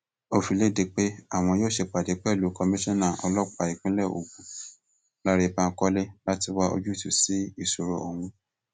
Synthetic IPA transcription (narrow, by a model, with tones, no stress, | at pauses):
o˦˧fi˨˧le˦˨de˨˧k͡pe˦a˦˨w̃ɔ̃˧joː˦˨ʃe˧˨k͡pa˨de˨˦k͡pɛ˦˨lu˨˦kɔ˧mĩ˦ʃɔ̃˦nã˦˨ɔ˧lɔ˦k͡pa˨i˨k͡pĩ˨˦lɛ˦˨o̰˨ɡũ˨˦ | la˦ɾe˧˨ba˧˦kɔ˦le˦la˦ti˧wa˦o̰˧d͡ʒu˦i˦˨tu˨si˨˦i˦˨so˨ɾo˨o˨wũ˧